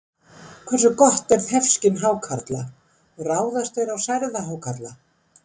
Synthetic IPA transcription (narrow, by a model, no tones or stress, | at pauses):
kʰvɛɾrsʏkɔht̪ɛɾðhɛfscɪnɦaːwkʰaɾt̪la | raːwðast̪vejɾawsajɾðaɦawkʰat̪la